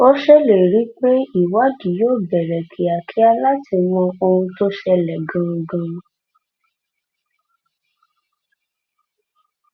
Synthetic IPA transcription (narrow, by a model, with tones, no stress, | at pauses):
o˦ʃɛ˦le˨ɾi˨˦k͡pe˦i˦˨wa˦di˨˦joː˦˨bɛ˨ɾɛ˨kʰi˨a˨kʰi˨˦a˧la˦ti˧mɔ̃˧o˧hũ˧to˦ʃɛ˧lɛ˨ɡã˧ɡã˧